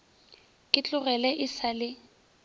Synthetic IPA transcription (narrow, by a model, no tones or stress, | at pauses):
kʼɪt͡ɬʼʊɣɛlɛʔɪsalɪ